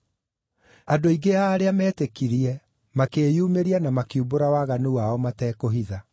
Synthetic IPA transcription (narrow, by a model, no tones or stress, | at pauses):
adoiɡeaːɾeamɛːtekiɾiɛ | makeːjuːmeɾianamakiuboɾawaːɣanuwaɔmatɛːkoɦiða